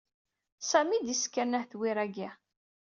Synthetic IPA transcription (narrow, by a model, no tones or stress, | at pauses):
sæmid̪iskːænæhθwiɾæɡi